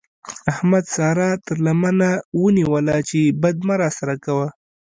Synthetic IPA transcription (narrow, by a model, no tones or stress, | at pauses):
ahmad̪sɑɾɑt̪əɾlamanawəniwəlat͡ʃebad̪̚maɾɑsaɾakawa